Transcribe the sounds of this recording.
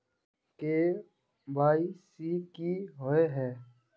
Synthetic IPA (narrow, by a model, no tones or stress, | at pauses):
keː | bʱaːiːsiːkiːɦoːeɦɛː